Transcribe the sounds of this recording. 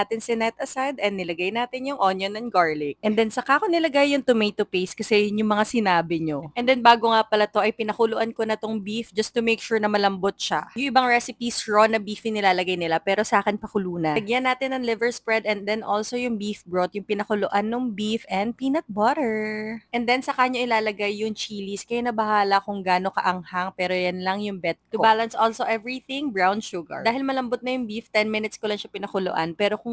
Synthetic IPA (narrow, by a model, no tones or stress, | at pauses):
at̪ɪnsɛnɛt̪ɐsajd̪ɛnːɪlɐɡajnaːt̪ɪnjʊŋʔonjonɐnɡaɹlɪk̚ʔɛnd̪ɛnsɐkaːʔkonɪlɐɡajːʊŋt̪ʊmejt̪ːʊpejskɐsɛjʊʊŋmɐŋasɪnaːbɪɲoʔɛnd̪ɛnbaːɡoŋapɐlɐt̪o̞ʔɐjpɪnɐkʊloʔankonɐt̪oŋbifd͡ʒɐst̪ʊmejkʃuɹnɐmɐlɐmbot̪̚ʃa̰jʊŋʔɪbaŋɹɛsɪpisɹonɐbiːfinɪlaːlɐɡajnɪlapɛːɾo̞sɐʔaːkɪnpɐkʊluːnɐɡjɐnːaːt̪ɪnːɐŋlɪvɛɹspɹɛd̪ɛnd̪ɛnʔolso̞jʊŋbifbɹot̪̚jʊŋpɪnɐkʊloʔanːʊŋbifɛnd̪̚piːnɐt̪̚baɾɛɹʔɛnd̪ɛnsɐkaːɲoʔɪlaːlɐɡajːʊŋt͡ʃiːliskɐjɛnɐbɐhaːlɐkʊŋɡaːno̞kɐ̰ʔɐŋhaŋpɛːɾo̞jɐnlɐŋjʊŋbɛt̪̚kʊobaːlɐnsʔolsoʔɛvɹiθɪ̃ŋbɹawnʃʊɡɐ̰ɹd̪aːhɪlmɐlɐmbot̪̚nɐjʊŋbift̪ɛnmɪnɪt̪skʊlɐŋʃɐpɪnɐkʊloʔa̰npɛːɾo̞kʊŋ